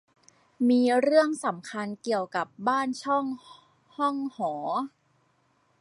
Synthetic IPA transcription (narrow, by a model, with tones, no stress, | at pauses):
miː˧ɾɯ˥˩əŋsa˩˦mkʰa˧nki˨˩əwka˨˩p̚baː˥˩nt͡ɕʰɔ˥˩ŋ | hɔ˥˩ŋhɔː˩˦